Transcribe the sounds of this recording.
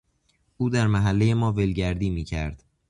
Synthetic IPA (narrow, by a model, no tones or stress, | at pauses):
ʔuːd̪æɾmæɦælːe̞jemɒːvelɟæɾd̪iːmiːcʰæɾd̪̥